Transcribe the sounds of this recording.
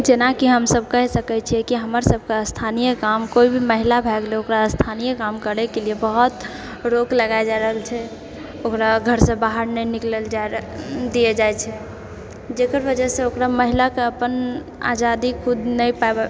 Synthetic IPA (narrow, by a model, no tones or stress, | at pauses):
d͡ʒenakiɦəmsəb̚ʱkəɦsəkɛt͡ʃʰiɛkiɦəməɾsəb̚ʱkeəst̪ʰanijəkamkoibʱiməɦilabʱɛɡleokɾaəst̪ʰanijəkamkəɾekeliebəɦut̪ | ɾokləɡaed͡ʒaɾəɦəlt͡ʃʰɛ | okɾaɡʱəɾsẽbaɦəɾnɛnikleld͡ʒad̪ijed͡ʒajt͡ʃʰɛ | d͡ʒekəɾbəd͡ʒɛsẽokɾaməɦilakeəpən | a̰d͡ʒad̪ikʰud̪nəjpaeb